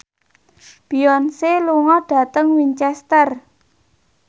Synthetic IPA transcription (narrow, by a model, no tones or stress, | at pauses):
b̥iɔnseluŋɔɖ̥ä̤t̪əŋwiɲt͡ʃɛst̪ər